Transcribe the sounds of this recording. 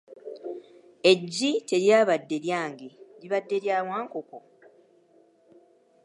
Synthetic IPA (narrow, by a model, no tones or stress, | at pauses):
e̞ɟːice̞ɾjaːβadːe̞ljaːŋɡeɾiβadːe̞ljaːwaːŋkoko